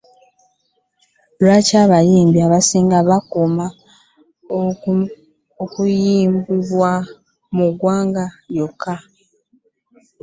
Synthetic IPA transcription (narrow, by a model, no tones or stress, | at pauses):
lwacaβajiːmbiaβasiːŋɡaβakuma | okujiːmbiβwa | muɡwaːŋɡajokʰːa